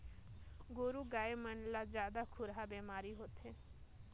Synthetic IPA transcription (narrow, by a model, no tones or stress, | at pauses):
ɡoːɾuɡaːemənlad͡ʒjaːd̪akʰʊɾɦabemaːɾiɦoːt̪ɦe